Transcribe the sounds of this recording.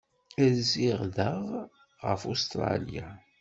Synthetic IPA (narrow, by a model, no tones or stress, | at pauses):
æziʁðəʁ | ʁə̰fust̪ɾˤɑ̰lja